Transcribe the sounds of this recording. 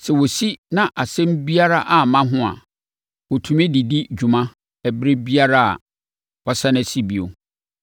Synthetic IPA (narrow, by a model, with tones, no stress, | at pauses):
sɛ˨wɔ˨si˦nã˦˨ʔa˨sɛ̃˦m˦bi˦a˦ɾa˦ʔa˨mã˦ɦʊ̃˦a̰˨ | wɔ˨tʰũ˨mɪ̃˦di˨di˦d͡ʑᶣu˨mã˦ | ɛ˨bɾɪ˦bi˦a˦ɾa˦a̰˨ | wɔ˨sa˦nɛ̃˨si˦bi˨o̰˨